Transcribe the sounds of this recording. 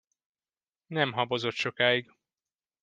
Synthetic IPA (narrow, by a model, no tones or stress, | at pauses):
nɛmɦɒbozo̞t̪ʃo̞kaːiɡ